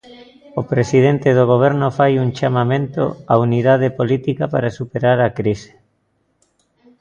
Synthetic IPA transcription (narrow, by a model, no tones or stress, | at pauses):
opɾesið̞ent̪eð̞oɣ̞oβ̞eɾnofajuŋt͡ʃamamẽnt̪o̰auniðað̞epolit̪ikapaɾasupeɾaɾakɾise̥